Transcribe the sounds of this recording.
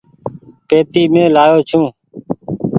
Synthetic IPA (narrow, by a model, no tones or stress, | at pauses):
peːt̪iːmẽːlaːjoːt͡ʃʰũː